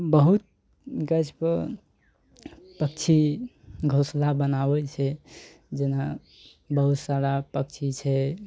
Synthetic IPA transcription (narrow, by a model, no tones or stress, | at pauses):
bəɦut̪̚ | ɡət͡ʃʰpə | pəkt͡ʃʰi | ɡʱoslabənabɛt͡ʃʰɛ | d͡ʒena | bəɦut̪saɾapək̚t͡ʃʰit͡ʃʰɛ